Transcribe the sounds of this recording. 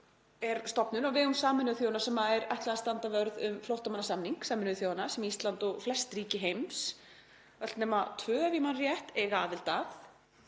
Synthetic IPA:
ɛɾst̪ɔpnʏnaɣvɪɣʏmsaːmɪnʏθjowanasɛmaðɛɾajht̪laɣast̪ant̪avœɾðʏmfloht̪amanːasamniŋksaːmɪnʏθjoːwanasɛmist̪lant̪ɔɣflɛst̪riːcɪɦejms | ɛlt̪nɛːmat̪ʰvœːavimanrjɛht̪ɛɣaːvɪlt̪aθ

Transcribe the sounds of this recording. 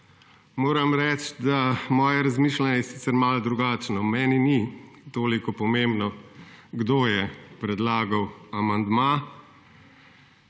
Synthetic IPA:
moːɾɐmɾɛt͡ʃd̪amɔːjɛɾazmiːʃlanɛjɛsiːtsɛɾmald̪ɾuɡaːt͡ʃnɔmɛːninit̪oːlikɔpɔmembnɔɡd̪oːjɛpɾɛd̪laːɡawamand̪ma

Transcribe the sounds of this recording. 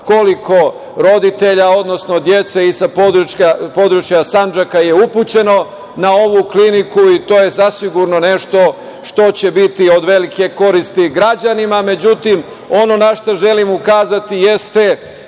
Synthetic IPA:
ko̞liko̞ | ɾo̞d̪it̪e̞ʎao̞d̪no̞sno̞d̪je̞t̪se̞isapod̪ɾuapo̞d̪ɾut͡ʃjasand͡ʒakaje̞uput͡ɕe̞no̞ | nao̞ʋuklinikuit̪o̞ːje̞zasiɡuɾno̞ne̞ʃt̪o̞ | ʃt̪o̞t͡ɕe̞bit̪io̞d̪ʋe̞like̞ko̞ɾist̪iɡɾad͡ʑanimame̞d͡ʑut̪im | o̞no̞naʃt̪oʒe̞limukaːzat̪ijest̪e

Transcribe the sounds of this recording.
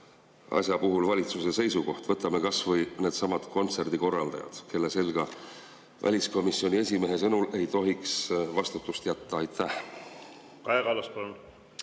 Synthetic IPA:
ɑ̰sʲjɑpuɦulvɑlʲit̪suse̞se̞jsuko̞ht̪vɤt̪ːˑɑme̞kɑsvɤjne̞ːd̪sɑmɑd̪̥ko̞nt̪se̞rd̪̥iko̞rːɑld̪̥ɑ̰jɑ̰d̪̥kʰe̞lːese̞lɡ̥ɑ | væ̰lʲisko̞misio̞nʲie̞sʲime̞ɦe̞sɤnule̞jt̪o̞ɦiksvɑst̪ut̪ːˑust̪jæt̪ːɑɑjt̪ʰːˑæh | kɑjɡɑlɑspɑlun

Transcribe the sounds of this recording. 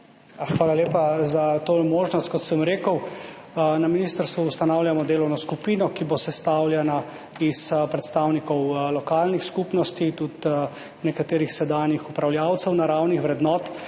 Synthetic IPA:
xʋaːlaleːpazat̪omoːʒnɔst̪̚kɔt̪səmɾeːkəw | naminist̪əɾst̪ʋuust̪anaːwljamɔd̪eːlɔwnɔskupinɔkibosɛst̪aːwljana | ispɾɛt̪st̪aːwnikɔwlɔkaːlnixskupnɔst̪it̪ut̪ | nɛkat̪eːɾixsɛd̪aːnixupɾawljaːwt̪sɛwnaɾawnixʋɾɛd̪nɔːt̪

